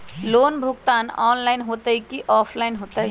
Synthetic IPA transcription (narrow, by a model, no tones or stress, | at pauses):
loːnbʱuɡt̪aːnɔːnlaɪnɦot̪əikiʔɔːpʰlaɪnɦoːt̪ə